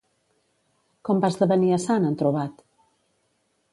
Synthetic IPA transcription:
kɔmbazðəβəniəsanənt̪ɾuβat̪

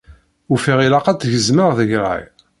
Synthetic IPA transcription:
ufiʁilaqæt͡s̪ʝəzməʁðəʝɾˤa̰j

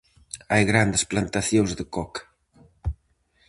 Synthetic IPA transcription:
ajɣɾand̪əsplant̪aθjoŋzðəkɔk

